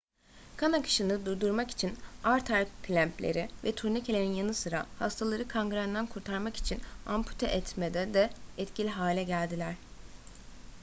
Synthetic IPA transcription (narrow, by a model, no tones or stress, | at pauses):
kʰanakʰɯ̥ʃɯnɯd̪ujd̪uɾmaki̥t͡ʃʰinaɾt̪ʰaɾkʰlʲæmpʰlʲḛɾivɛt̪ʰuɾnicʰelʲeɾinjanɯsɯɾa̰hast̪ʰalˠaɾɯkʰaŋɡɾand̪ænkʰuɾt̪ʰaɾmaki̥t͡ʃʰinampʰu̥t̪ʰɛʔɛt̪ʰmed̪ɛd̪ɛɛt̪cʰilʲiɦaːlʲɛɟælʲd̪ilʲæɾ̥